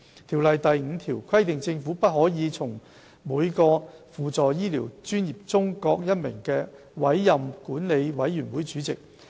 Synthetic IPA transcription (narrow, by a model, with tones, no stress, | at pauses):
t̪ʰiː˨˩wlɐ˨jt̪ɐ˨jŋ̩˨˧t̪ʰiː˨˩wkʰɐ˥jt̪ɪ˨ŋt͡sɪ˧ŋfuː˨˥pɐ˥t̚hɔː˨˥jiː˨˧t͡sʰʊ˨˩ŋ | muː˨˧jkɔː˧fuː˨t͡sɔː˨jjiː˥liː˨˩wt͡ʃyː˥njiː˨˩p̚t͡sʊ˥ŋkɔː˧k̚jɐ˥t̚mɪ̰˨˩ŋkɛː˧ | wɐ˨˥jːɐ˨mkuː˨˥nle˨˧jwɐ˨˥jːyː˨˩nwuː˨˥jt͡ʃyː˨˥t͡sɪ˨k̚